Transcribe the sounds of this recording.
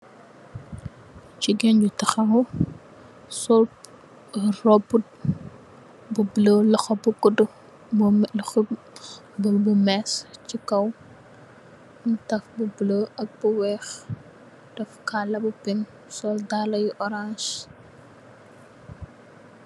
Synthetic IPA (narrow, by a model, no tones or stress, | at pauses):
t͡ʃiɡɛnd͡ʒutɐxɐu | sɔl | rɔbut̚ | bubləlɐxɐbukːudu | x | bulbumɛscikɐw | mtɐfbubləɐk̚b̥uwɛːx | d̥ɐfkalɐbupin | sɔldalɐjʔɔɾãnʃ